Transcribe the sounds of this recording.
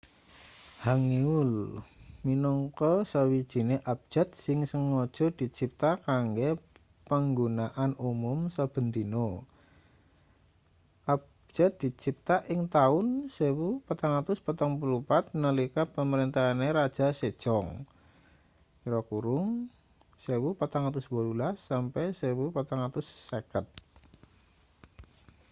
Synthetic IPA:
haŋniʊlminɔŋkɔsəwid̥ʒ̥i̤neʔap̚d͡ʒ̥ɛ̤t̪̚sɪŋsəŋːɔd̥ʒ̥ɔ̤d̪̥i̤t͡ʃip̚t̪akaŋɡe | pəŋɡunaʔanumumsəb̥ə̤nt̪ino | ʔap̚ | d͡ʒ̥ɛt̪̚d̪̥i̤t͡ʃip̚t̪aʔɪŋt̪aʊnsewupat̪aŋat̪ʊspat̪aŋpulupat̪̚nəlikapəməɾint̪aɦaneɾḁd͡ʒ̥a̤se̥d͡ʒ̥ɔŋ | iɾɔkuɾʊŋ | sewupat̪aŋat̪ʊsbualulasːampɛsewupat̪aŋat̪ʊsːəkət̪̚

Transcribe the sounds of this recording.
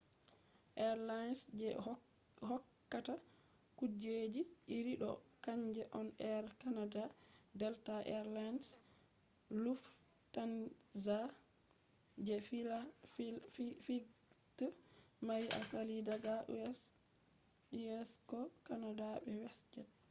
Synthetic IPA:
ʔɛɾlajnsd͡ʒɛ | hɔkːata | kud͡ʒed͡ʒiiɾiɗɔ̰kaɲd͡ʒɛʔɔnɛɾkanadadɛltaʔɛ̰ɾlans | luf | tanza | d͡ʒɛfa | ffitmaja̰salidaɡas | iɛskɔkanadaɓɛwɛsd͡ʒɛt̚

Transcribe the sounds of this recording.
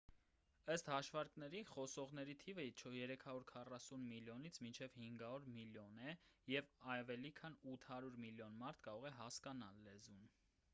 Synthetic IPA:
əst̪hɑʃvɑɾknɛɾiχɔsɔʁnɛɾit̪ʰivət͡ʃʰjɛɾɛkʰɑɾuɾkʰɑrɑsunmiljɔnit͡sʰmint͡ʃʰɛvhiŋɡɑvɔɾmiljɔnɛjɛvɑvɛlikʰɑnut̪ʰhɑɾuɾmiljɔnmɑɾt̪ʰkɑɾɔʁɛɦɑskɑnɑ̰lːɛzun

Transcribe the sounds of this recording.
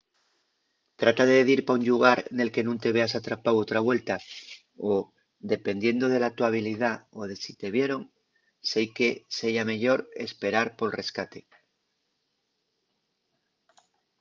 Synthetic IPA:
t̪ɾat̪aðeeðiɾpauɲʎuɣ̞aɾne̞lke̞nũnt̪e̞β̞e̞asat̪ɾapawot̪ɾaβwe̞lt̪a | o | d̪e̞pe̞nd̪je̞nd̪o̞ð̞e̞lat̪waβiliðao̞ð̞e̞sit̪e̞βje̞ɾo̞ŋ | sejke̞seʝame̞ʎo̞ɾe̞̰spe̞ɾaɾpo̞lre̞skat̪e̞̥

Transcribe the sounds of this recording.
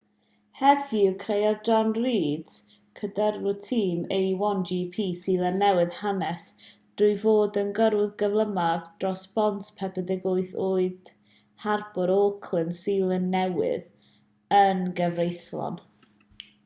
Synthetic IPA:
hɛðɡikʰrejɔd͡ʒɔnriːd | kʰədərvʊtʰiːmejwɔnd͡ʒiːpʰiːsiːlˠənːɛwɨðhanɛsd̥rʊvoːdənɡəɾʊðɡəvlˠəmaðd̥rɔsb̥ɔntpʰɛdədɪɡʊɨθoːɨd̥ | harb̥ɔɾoːkʰlˠənsiːlˠənːɛwɪ̰ð | ənɡəvrejθlˠɔ̰n

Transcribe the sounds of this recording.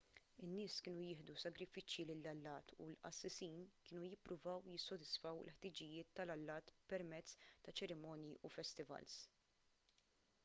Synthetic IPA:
ɪnːɪːskɪːnujɪːħd̪usɐɡɾɪfɪt͡ʃjilɪlːɐlːɐːt̪ʰṵlʔɐ̰sːɪsiːnkɪːnujɪpːɾʊvɐwjɪsːɔd̪ɪsfɐwɪ̰lħt̪ɪd͡ʒɪjɪːt̪ːɐlɐlːɐːt̪pɛɾmɛt͡sːt̪ɐt͡ʃɛɾɪmɔːnjiʔufɛst̪ɪvɐ̰ls

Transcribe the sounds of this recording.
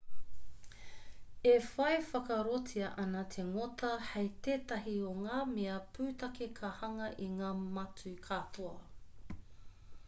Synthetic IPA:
efɐjfɐkɐɾotʰiɐʔɐnɐt̪ʰeŋotɐhɐjt̪eːt̪ɐɦioŋaːmeɐpʰʉːtɐkekʰɐhɐŋɐʔiŋaːmɐt͡sukʰatʰoɐ

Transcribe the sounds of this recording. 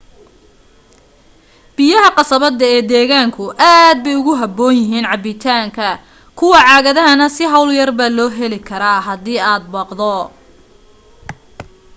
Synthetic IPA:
b̥ɪjɐɦɐqɑsɐβɐd̪ɐɛːd̪ɛːɣaːŋkʰʊʔaːd̪̚bɛjʊɣʊɦɐbɔːnjɪɦiːnʕɑbɪt̪ʰaːŋkʰɐ | kʰʊwɑʕɑːɣɐðɐɦɐnɐsɪɦɐwljɐrbaːlɔːɦɛlɪkʰɐɾaːɦɐðiːaːd̪̚bɐqd̪ɔ

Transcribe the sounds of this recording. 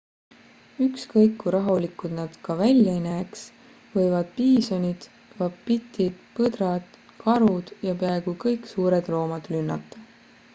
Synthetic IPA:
ykskɤjkːuɾɑɦulikːˑud̪̥nɑd̪̥kɑvælʲjɑinæːks | vɤ̞jvɑd̪̥̚piːso̞nʲid̪̥ | vɑppit̪ːˑid̪pɤd̪ɾɑd̪̥ | kʰɑɾud̪̥jɑpeɑeɡ̥ukɤjkːˑsuːɾe̞d̪̥lo̞ːmɑd̪̥lynːɑt̪ˑːɑ̥

